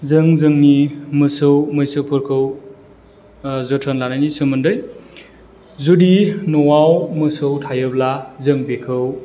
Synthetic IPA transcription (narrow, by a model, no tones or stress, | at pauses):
zɯŋzɯŋnimɯsɯwmɯjsɯwpʰuɾkʰɯw | zɯtʰanlanajnisɯmɯndɯj | zudinɔwawmɯsɯwtʰajɯblazɯŋbekʰɯw